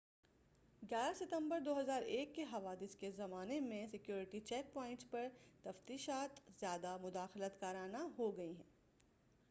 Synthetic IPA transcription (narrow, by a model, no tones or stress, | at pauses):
ɡʲjaːɾasɪt̪ə̃mbəɾd̪oːɦɐzaːɾeːkːeɦɐʋaːd̪ɪskezɐmaːnemẽsɪkjoːɾɪʈit͡ʃɛːk̚pɔːɪ̃ɳʈspɐɾt̪ɐft̪iːʃaːt̪zjaːd̪amʊd̪aːxlət̪kaːɾaːnaɦoɡɐiɦɛ̃ː